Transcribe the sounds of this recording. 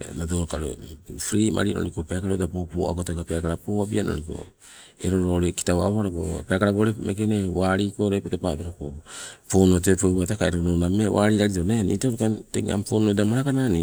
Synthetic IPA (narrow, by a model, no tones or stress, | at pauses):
nadoɾokaɾo̰fɾiːmʔa̰ɾinʔo̰ɾikopeakaɾodapopoa̰ɡotokapeakaɾapoabiano̰ɾiko̞̰ | eɾoɾoɾeki̥tawa̰haɾoko̰peakaɾaɡoɾemekenewaːɾikoɾepotopabeɾakoponot̬epoβatakaeɾoɾonamewaɾiɾaɾid͡ʒonenḭtaɾokanteŋa̰mpoːnodamaɾakanani